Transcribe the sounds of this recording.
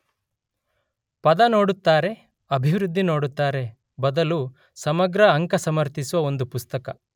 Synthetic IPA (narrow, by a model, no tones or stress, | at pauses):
pɐd̪ɐno̞ːɽut̪ːaːɾe̞ | ɐbʱiʋɾud̪ʱːino̞ːɽut̪ːaːɾe̞ | bɐd̪ɐlu | sɐmɐɡɾɐːŋkɐsɐmɐɾt̪isuʋɐo̞nd̪upust̪ɐkɐ